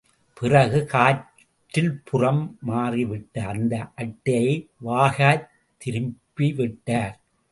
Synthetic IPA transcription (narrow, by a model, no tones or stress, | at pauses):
pɪrɐɣɯkaː | ʈːɪlpʰʊrɐmːaːriʋɪʈːɐɐnd̪ɐʔɐʈːɐɐɪʋaːɣaː | t̪ːɪɾɯmpiʋɪʈːaːɾ